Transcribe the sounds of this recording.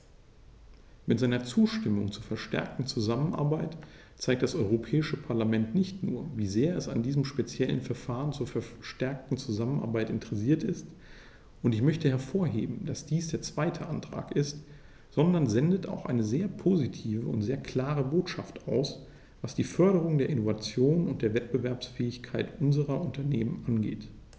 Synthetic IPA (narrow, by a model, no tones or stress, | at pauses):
mɪtz̥aɪnɐt͡suːʃtɪmʊŋt͡suːɐfɛɐʃtɛ̰ɐk̚tn̩t͡suzamənʔa̰ɐbaɪt | t͡saɪk̚td̥asʔɔʏʁ̞opʰɛːɪʃəpʰaɐlamɛntnɪçtnṵːɐviːzeːɐɛsa̰ndiːzəmʃpet͡sjɛlə̰nfɛɐfaːʁənt͡suːɐfɛʃtɛɐk̚tn̩t͡suzamənʔa̰ɐbaɪtɪntəʁɛsiːɐtɪst | ʔʊntɪçmœçtəhɛɐfoːɐɦḛːbm̩d̥asd̥iːsd̥eːɐt͡sv̥aɪtʰəʔantʁ̥a̰ːkʔɪst | z̥ɔndɐnzɛndəta̰ʊxʔaɪnəzeːɐpʰozitʰiːvəʊ̰ntz̥eːɐkʰl̥aːʁəboːtʃa̰ftaʊs | v̥asd̥iːfœɐɾəʁ̞ʊŋdeːɐʔɪnovat͡sjoːnʊnt̚d̥eːɐvɛt̚b̥əvɛɐpsfɛːɪçkʰaɪtʔʊnzəʁɐʔʊntʰɐneːmənʔanɡḛːt